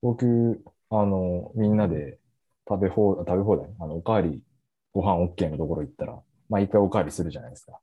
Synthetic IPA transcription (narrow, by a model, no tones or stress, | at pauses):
bo̞kʲɯ̟ː | ano̞mʲĩnːad̪e̞ | t̪abehoat̪abe̞ɦo̞ːd̪anano̞okaːɾʲi | ɡ̥o̞ɦãɰ̃o̞kːe̞ːno̞t̪o̞ko̞ɾo̞it̪ːaɾa̰ | maikːaio̞kaːɾʲisɨɾɯ̟ʑanaid̪e̞sɨ̥kḁ